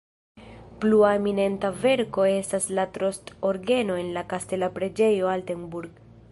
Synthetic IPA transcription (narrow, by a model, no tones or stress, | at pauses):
pluaemine̞ntave̞ɾko̞e̞staslatɾo̞sto̞ɾɡe̞no̞e̞nlakaste̞lapɾe̞d͡ʒe̞jo̞alteŋbuɾɡ